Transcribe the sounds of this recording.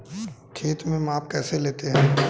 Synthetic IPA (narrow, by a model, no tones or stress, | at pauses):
kʰeːt̪mẽmaːpkɛːseleːt̪eɦɛ̃ː